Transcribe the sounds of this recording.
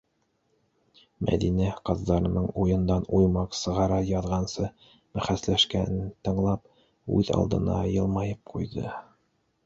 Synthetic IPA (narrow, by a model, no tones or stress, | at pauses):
mʔæ̰ðinæqɑðːɑɾɤ̆nɤɴujɤ̆nd̪ɑnujmɑqsɤ̆ʁɑɾɑjɑðʁɑnsɤ | mæχæslæʃkænɘt̪ɤ̆ɴlˠɑp̚ | ʉ̰ðɑ̰lˠd̪ɤ̰̆nɑ̰jɤ̆lˠmɑjɤp̚qʰujðɤ